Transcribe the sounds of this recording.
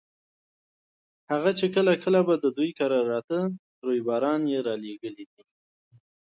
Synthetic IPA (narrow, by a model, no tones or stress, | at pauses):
haɣat͡ʃekəlakəlabad̪əd̪ujkaɾɑɾɑt̪ə | ɾojbɑɾɑnjeɾɑleɡəlid̪i